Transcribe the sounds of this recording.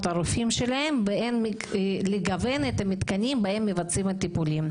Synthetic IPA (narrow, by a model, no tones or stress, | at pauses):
t̪aɾufimʃelahe̞mveenmi | leɡavenet̪amit̪kanimbahe̞mːevat͡simat̪ːipulim